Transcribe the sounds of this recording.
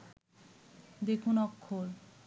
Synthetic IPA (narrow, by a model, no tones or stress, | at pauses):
d̪ekʰunɔkʰːol